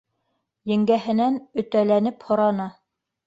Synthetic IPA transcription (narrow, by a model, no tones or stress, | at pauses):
jɘ̆ŋɡæɦɘ̆nænɵ̆t̪ælænɘphŏɾɑnɑ